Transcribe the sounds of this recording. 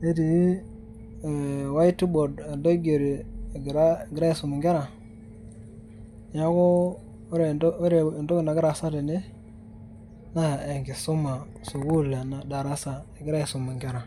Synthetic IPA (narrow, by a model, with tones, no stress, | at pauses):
e˦di˨˦˨ | wa˦i˦ti˦bo˨de˨ndo˦ɡe˨ɾi˨ɡɾa˦˨ɡi˨ɾa˦i˨su˨mu˨ŋɡe˦ɾa˨ | ja˦ko˦ | ɾe˨˦ɾe˨ndo˦ɡi˨na˨ɡi˦ɾa˨sa˦de˨ne˦ | na˦˨e˨ŋɡi˨su˦ma˨ | su˨ɡu˦˨le˨na˨da˨ɾa˦sa˨e˨ɡɾa˦i˨su˨mu˨ŋɡe˦ɾa˨